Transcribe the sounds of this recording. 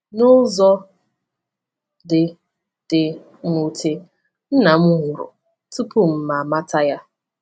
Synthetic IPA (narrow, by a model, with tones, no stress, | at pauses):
nʊ˦zɔ˦ | dɪ˨ | d̥ɪ˨ | ŋu˦tʰe˦ | n̩˦na˨m̩˦u˦ɦʊ˨ɾʊ̰˨ | tu˦pʊ˦m̩˨ma˨ma˦ta˦ja˦